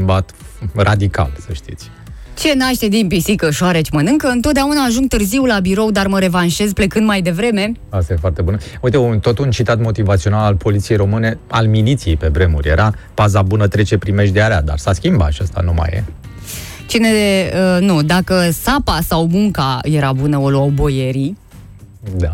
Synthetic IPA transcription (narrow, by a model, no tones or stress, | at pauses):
mbat̪rad̪ika̰lsəʃt̪it̪sʲ | t͡ʃe̞naʃt̪e̞d̪impisikəʃoaɾet͡ʃʲmənɨŋkəɨnt̪ot̪̚d̪eaunaːʒuŋɡ̚t̪ɨrziwlabiɾo̞wd̪arməɾe̞vanʃe̞zple̞kɨnd̪majd̪e̞vɾe̞me̞ | ast̪aje̞foart̪e̞bunəuit̪eunt̪o̞t̪unt͡ʃit̪at̪mo̞t̪ivat̪sio̞nalalpʰo̞lit̪ije̞jɾo̞mɨne̞a̰lmilit̪sijejpe̞bɾe̞mṵrʲjeɾʔapazabunət̪ɾe̞t͡ʃe̞pɾime̞ʃd̪eaɾea̰d̪a̰rsaskʲimba̰ʃast̪a̰numa̰jḛ | t͡ʃine̞ənud̪akəsapasawmuŋkaje̞ɾabunəo̞luawbo̞je̞ɾi | d̪a